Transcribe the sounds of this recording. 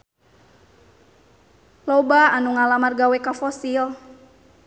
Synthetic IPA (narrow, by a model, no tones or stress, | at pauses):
lɔbaanuŋalamarɡawɛkafɔsil